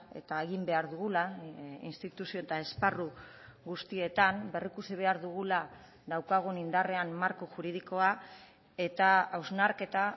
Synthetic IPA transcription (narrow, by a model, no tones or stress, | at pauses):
e̞̰t̪aeɣimbe̞aɾðuɣulainst̪it̪usio̞et̪ae̞sparu | ɣust̪ie̞t̪ambe̞rikusiβ̞e̞aɾðuɣ̞ula | ðawkaɣ̞unind̪are̞amːaɾkuʝuɾið̞iko̞a | e̞t̪aawznaɾke̞t̪a